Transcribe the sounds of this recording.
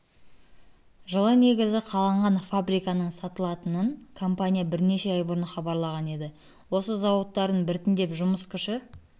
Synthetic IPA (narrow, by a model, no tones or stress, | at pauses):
ʒəlˠɑne̞ɡʲɪzɪqʰɑlˠɑɴʁɑnfabɾijkɑnəɴsɑt̪əlˠɑt̪ənəɴkʰo̞mpanʲijabɪɾne̞ʃe̞ɑjbəɾnəχɑbɑɾlˠɑʁɑne̞d̪ɪ | wo̞səzɑwət̪ːɑɾd̪əɴbɪɾt̪ɪnd̪e̞pʒʊməskʲʰʏʃɪ